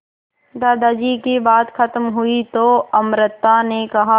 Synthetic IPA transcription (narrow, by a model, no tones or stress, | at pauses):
d̪aːd̪aːd͡ʒiːkebaːt̪kʰɐt̪mɦʊit̪oɐmɾɪt̪ːanekɐɦa